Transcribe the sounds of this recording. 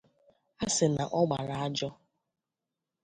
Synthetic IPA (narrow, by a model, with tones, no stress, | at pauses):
a˦sɪ˨na˨ʔɔ˦ɡ͡ba˨ɾa˨a˦d͡ʒɔ˦